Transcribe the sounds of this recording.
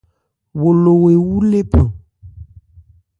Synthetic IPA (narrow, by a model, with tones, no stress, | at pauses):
wo˨lo˨we˨wu˦le˦pə˨